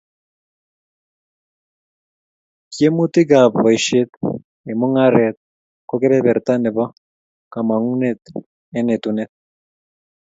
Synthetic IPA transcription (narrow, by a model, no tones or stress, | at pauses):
kijemut̪iɡabβajʃiet̪ | emoŋaɾet̪̚ | kokeɾeβeɾt̪aneβa | kamaŋunet̪ | enet̪unet̪̚